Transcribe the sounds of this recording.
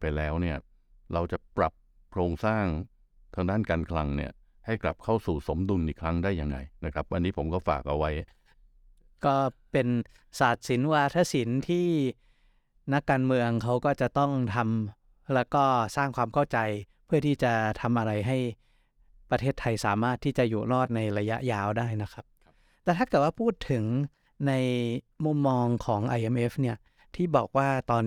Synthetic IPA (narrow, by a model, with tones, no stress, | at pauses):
pa˧jlɛː˦˥wni˥˩ɐ | ɾa˧wt͡ɕa˨˩pɾa˨˩p̚ | kʰɾoː˧ŋsaː˥˩ŋ | t̪ʰaː˧ŋdaː˥˩nkaː˧nkʰla˧ŋni˥˩ɐ | ha˥˩jkla˨˩p̚kʰa˥˩wsuː˨˩so˩˦mdu˧nʔiː˨˩kʰɾa˦˥ŋdaː˥˩jːa˧ŋːa̰˧jna˦˥kʰɾa˦˥p̚ʔa˧nːiː˦˥pʰo˩˦mkɔː˥˩fa̰ː˨˩k̚ʔa˧wa˦˥j | kɔː˥˩pe˧n | saː˨˩t̪̚si˩˦nwaː˧˩t̪ʰaː˥˩si˩˦nt̪ʰiː˥˩ | na˦˥kːaː˧nmɯ˧əŋkʰa˦˥wkɔː˥˩t͡ɕa˨˩t̪ɔ˥˩ŋt̪ʰa˧m | lɛː˦˥wkɔː˥˩saː˥˩ŋkʰwaː˧mkʰa˥˩wt͡ɕa˧jpʰɯ˥˩ɐt̪ʰiː˥˩t͡ɕa˨˩t̪ʰa˧mʔa˧ɾa˧jɦa˥˩j | pɾa˧t̪ʰeː˥˩t̪ʰːa˧jsaː˩˦maː˥˩t̪ʰːiː˥˩t͡ɕa˨˩juː˨˩lɔː˥˩t̪̚na˧jɾa˧ja̰˦˥ʔjaː˧wdaː˥˩jna˦˥kʰa˦˥p̚ | t̪ɛː˨˩t̪ʰaː˥˩kɯː˨˩t̚waː˥˩pʰuː˥˩t̪ʰːɯ˩˦ŋ | na˧jmu˧˩mːɔː˧ŋkʰɔː˩˦ŋʔa˧jʔe˧mʔe˦˥fni˥˩ɐ | t̪ʰiː˥˩bɔ̰ː˨˩k̚waː˥˩t̪ɔː˧n